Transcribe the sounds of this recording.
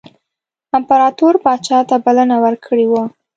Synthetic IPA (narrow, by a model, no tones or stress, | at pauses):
ampaɾɑt̪oɾpɑt͡ʃɑt̪abalanawəɾkʰəɽiwa